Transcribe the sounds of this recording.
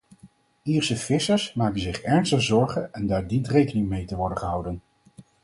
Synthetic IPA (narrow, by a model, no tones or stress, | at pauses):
iːɹsəfɪsəɹsmaːkənzɪχɛɹnstəχzɔɹχənɛndaːɹdintrejkənɪŋmejtəʋɔɹdənχəɦʌwdən